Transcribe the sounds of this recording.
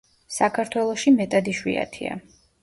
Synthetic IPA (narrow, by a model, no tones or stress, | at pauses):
sakʰaɾt̪ʰwɛlˠɔʃimɛt̪ʼad̪iʃwḭa̰t̪ʰḭa̰